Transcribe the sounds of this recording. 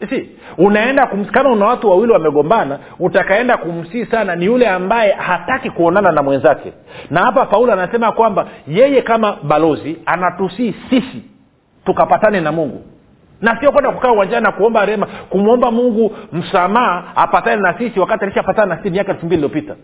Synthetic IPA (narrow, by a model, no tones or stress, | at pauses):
si | unaɛndakum̩kamaunawatuwawiliwamɛɠɔmbana | utakaɛndakum̩siːsananijulɛambajɛhatakikuɔnananamwɛnzakɛ̰nahapapaulɔanasɛmakwambajɛjɛkamaɓalɔzianatusiːsisi | tukapatanɛnamuŋɡu | nasiɔkwɛndakukaːuwand͡ʒannakuɔmbaɾɛmakumuɔmbamuŋɡum̩samaaapatanɛnasisiwakatialiʃapatananasisimiakaɛlfumbililiɔpita